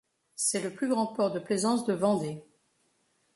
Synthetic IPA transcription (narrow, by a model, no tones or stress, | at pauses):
sɛləplyɡʁɑ̃pɔʁd̪əplezɑ̃sd̪əvɑ̃d̪e